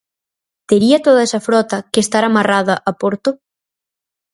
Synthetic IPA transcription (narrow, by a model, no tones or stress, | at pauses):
t̪eɾiɐt̪oðɐɛsɐfɾɔt̪ɐkest̪aɾamaraðɐʔapoɾt̪ʊ